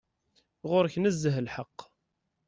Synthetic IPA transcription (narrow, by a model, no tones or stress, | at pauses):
ʁʊɾçnəzːəɦlħəqː